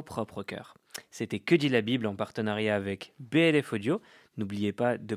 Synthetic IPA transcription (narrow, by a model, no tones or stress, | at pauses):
pχɔpχəkʲœ̰ːʁ | set̪ɛkəd̪ilabiblɑ̃paʁt̪ənaʁjaːvɛkbeɛlɛfod̪jo | nublijepad̪ə